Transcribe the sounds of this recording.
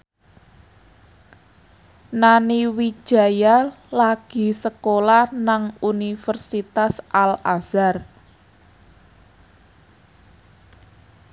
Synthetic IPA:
naniwi̥ʒ̥ä̤ja | laɡ̥i̤səkolahnaŋunifərsit̪asʔalaz̥ar

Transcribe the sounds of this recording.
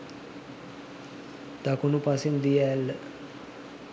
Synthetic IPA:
t̪akunupasɪnd̪iɛl

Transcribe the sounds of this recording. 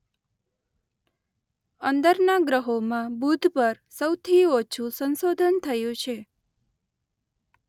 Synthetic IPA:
ənd̪əɾnaɡɾəɦomãbud̪ʱpəɾ | səwt̪ʰiot͡ʃʰũsə̃nsod̪ʱənt̪ʰəjũt͡ʃʰe

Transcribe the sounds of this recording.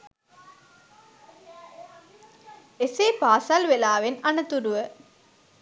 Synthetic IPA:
esepaːsalʋelaːʋenɐnɐt̪uɾuʋə

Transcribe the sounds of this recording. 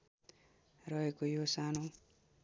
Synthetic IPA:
rʌɦekojosano

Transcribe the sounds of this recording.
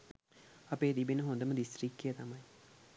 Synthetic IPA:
ɐpeːd̪ibinəɦond̪əməd̪ist̪rikːejət̪amɐj

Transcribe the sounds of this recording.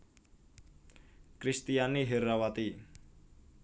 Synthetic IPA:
kɾist̪ijaniɦeɾawat̪i

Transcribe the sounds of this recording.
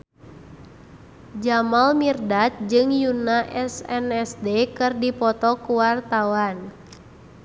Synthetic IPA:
d͡ʒamalmirdat̪̚d͡ʒɨŋjunaʔɛsɛnɛsdekɨrdipɔt̪ɔkuwart̪awan

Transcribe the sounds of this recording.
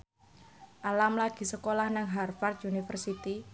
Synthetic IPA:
ʔalamlaɡ̥i̤səkolahnaŋɦarfart̪̚junifərsit̪i

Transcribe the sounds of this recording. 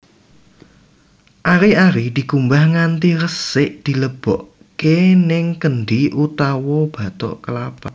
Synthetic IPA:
ʔaɾiaɾid̪̥i̤kumbahŋant̪iɾəsɪʔd̪̥i̤ləb̥ɔʔ | kenɪŋkənɖiʔut̪awɔb̥ä̤t̪ɔ̰ʔkəlab̥a

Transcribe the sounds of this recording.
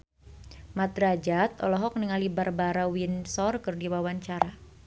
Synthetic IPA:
mat̪ɾad͡ʒat̪̚ɔ̰lɔɦɔk̚nəŋalibarbaɾawinsɔrkɨrdiwawaɲt͡ʃaɾa

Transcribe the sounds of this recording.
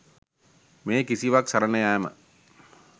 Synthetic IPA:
meːkisiʋaksɐɾɐnɐjaːmə̰

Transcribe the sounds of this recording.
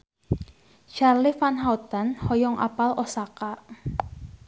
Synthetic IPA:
ʃarlifanɦawt̪anhɔjɔŋʔa̰palʔɔsaka

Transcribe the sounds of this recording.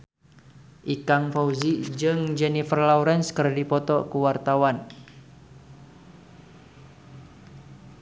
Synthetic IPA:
ʔikaŋfauzid͡ʒɨŋd͡ʒɛnifərlauɾɛnskərdipɔt̪ɔkuwart̪awan

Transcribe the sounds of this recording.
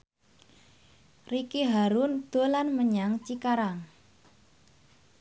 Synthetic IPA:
rikiɦaɾund̪̥o̤lanməɲaŋt͡ʃikaɾaŋ

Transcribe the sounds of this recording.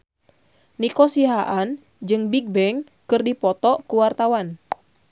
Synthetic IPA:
nikɔsiɦaʔan | d͡ʒɨŋbiɡ̚bɛŋ | kɨrdipɔt̪ɔʔkuwart̪awan

